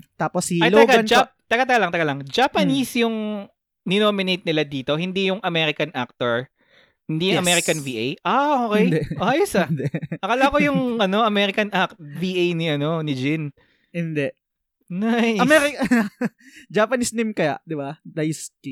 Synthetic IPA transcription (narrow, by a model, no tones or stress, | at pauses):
t̪aːposiajloɐɡad͡ʒat̪ɐɡat̪ɐɡalɐŋt̪ɐɡalɐŋd͡ʒapɐnisjʊŋ | nɪnoːmɪnejt̪̚nɪlad̪iːt̪o̞ɦɪnd̪ijʊŋʔɐmɛɾɪkɐnʔak̚t̪oɹ | hɪnd̪iːjʊŋʔɐmɛɾɪkɐnviʔejʔaoːkɛjdɛʔoajsɐd̪ɛʔɐkɐlakojʊŋʔɐno̞ɐmɛɾɪkɐnʔak̚t̪̚viːʔejnɪʔɐno̞nɪd͡ʒɪn | ɪnd̪ɛʔ | najɐmɛɾɪk | d͡ʒapɐnisnimkɐja̰ʔd̪ɪbad̪ɐjsti